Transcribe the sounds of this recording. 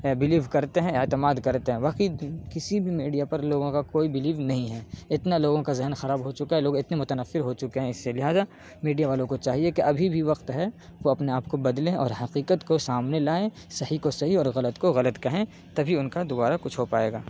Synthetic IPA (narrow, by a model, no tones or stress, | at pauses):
bɪliːʋkɐɾt̪eɦɛ̃et̪ɪmaːd̪kɐɾt̪eɦɛ̃ʋaːqikɪsibʱimiːɖijapɐɾloːɡõkakoːibɪliːʋnɐɦĩɦɛːɪt̪naloːɡõkazɪɦnxɐɾaːbɦot͡ʃʊkaɦɛloːɡɪt̪nemʊt̪ənəfːɪɾɦot͡ʃʊkeɦɛ̃ɪsːelɪɦaːza | miːɖijaʋaːlõkot͡ʃaːɦiekeʔɐbʱibʱiʋɐqt̪ɦɛ | ʋoɐpneaːp̚kobɐd̪lẽɔ̰ːɾɦɐqiːqət̪kosaːmnelaːe | sɐɦikosɐɦiɔːɾɣɐlət̪koɣɐlət̪kɐɦẽ | t̪ɐbʱiʊnkad̪ʊbaːɾakʊt͡ʃʰɦopaːeːɡaː